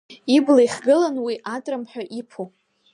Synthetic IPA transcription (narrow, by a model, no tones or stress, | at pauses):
iblajχɡɨlanwiʔatʼrɨmħᶣaʔipʰo